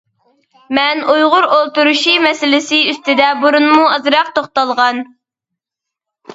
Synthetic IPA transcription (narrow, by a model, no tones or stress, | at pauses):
mɛnujʁʊɾolˠt̪uɾuʃimɛsɪlɪsɪyst̪ɪd̪ɛbuɾunmuɑzɾɑq̚t̪oχt̪ɑlˠʁɑn